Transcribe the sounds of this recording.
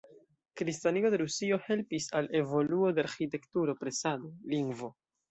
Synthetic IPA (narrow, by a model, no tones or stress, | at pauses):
kɾistanio̞de̞ɾusio̞he̞lpisale̞vo̞luo̞deaɾxite̞ktuɾo̞pɾe̞sadoliŋɡvo̞